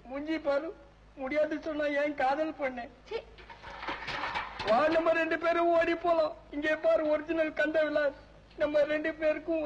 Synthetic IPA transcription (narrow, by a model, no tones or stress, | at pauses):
mʊɲd͡ʒipaːɾɯ̃ | mʊɽɪjaːðɯsɔnːaːeːnkaːðɐlpɐɳːeː | ʋaːɾnɐmːɐɾɛɳɖɯpeːɾɯoːɽipːoːlãːɪŋɡeːpaːɾɔɾɪd͡ʒɪnɐlkɐnd̪ɐʋɪlːaːɾ | nɐmːɐɾɛɳɖɯpeːɾɯkːʊ̃